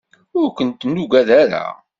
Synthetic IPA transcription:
ʊɾkʷənt̪nːuɡæðæɾa̰

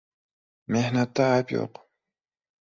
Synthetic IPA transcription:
meħnat̪aːpjo̰q

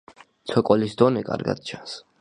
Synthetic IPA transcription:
t̪sʰɔkʼɔlisd̪ɔnɛkʼa̰ɾɡa̰d̪̥̚t͡ʃʰans

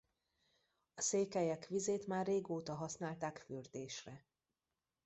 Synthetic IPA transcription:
ɒseːkɛjɛkʋizeːt̪maːrːeːɡoːt̪ɒɦɒsnaːlt̪aːkfyrd̪eːʃrɛ

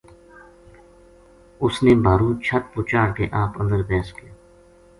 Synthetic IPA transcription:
ʊsneːbʱaːɾuːt͡ʃʰət̪̚pʊt͡ʃaːɽkeʔaːpə̰̃nd̪əɾpɛːskijaː

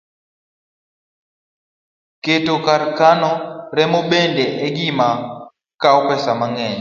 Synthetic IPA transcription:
ketokaɾkanɔɾɛmoɓɛndɛʔɛɡima | kaɔpɛsamaŋɛɲɛ

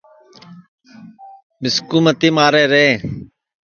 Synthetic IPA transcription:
mɪskuːmət̪iːmaːɾeːɾẽː

